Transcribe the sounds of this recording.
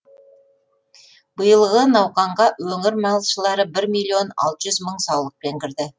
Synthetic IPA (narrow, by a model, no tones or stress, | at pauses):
b̥əjəlˠʁənɑwqɑɴʁɑwɵŋɪɾmɑlˠʃəlˠɑɾəbɪɾmilʲːio̞nɑ̰lˠt̪əʒʏzməɴsɑwlˠəq̚pe̞ŋkʲʰɪɾd̪ɪ